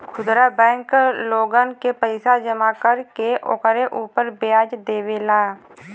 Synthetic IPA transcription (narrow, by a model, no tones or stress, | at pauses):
kʰʊd̪ɾabɛ̃ːŋkloːɡankepəɪsad͡ʒəmakəɾkeʔo̰kɾeʔuːpəɾbejaːd͡ʒd̪eːweːlaː